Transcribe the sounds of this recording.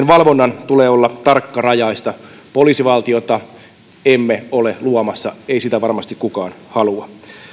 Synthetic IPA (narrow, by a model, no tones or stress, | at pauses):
enʋɑlʋonːɑnt̪uleːolːɑt̪ɑrkːɑrɑjɑist̪ɑ | poliːsiʋɑlt̪iot̪ɑ | emːeoleluomɑsːɑeisit̪æʋɑrmɑst̪ikkukɑːnhɑluɑ